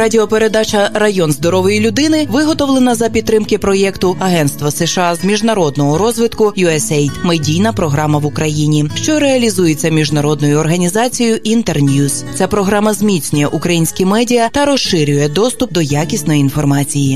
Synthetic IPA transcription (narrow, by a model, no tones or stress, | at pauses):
ɾɑdʲɪɔpeɾe̞d̪ɑt͡ʃɐrɐjɔnzd̪ɔɾɔʋɔjilʲʊd̪ɪnɪʋɪɦɔt̪ɔʋlˠenɐzɐpʲid̪t̪ːɾɪmkɪpɾɔjɛkt̪ʊʔɐɦɛnst̪ʋɐseʃɑzmʲiʒnɐɾɔd̪nɔɦɔɾɔzʋɪt̪kʊjuɛsɛjt̪medʲijnɐpɾɔɦɾɑmɐʋʊkɾɐjinʲiʃt͡ʃɔɾeɐlʲizujet͡sʲːɐmʲiʒnɐɾɔd̪nɔjʊɔrɦɐnʲizɑt͡sʲijʊʔint̪ernʲjust͡sʲapɾɔɦɾɑmɐzmʲit̪t͡sʲnʲʊjɛʔukɾɐjinʲsʲkʲɪmɛdʲijɐt̪ɐɾɔʃɪɾʲʊjɛd̪ɔst̪ʊp̚d̪ɔjakʲisʲnɔjiinfɔrmɑt͡sʲiji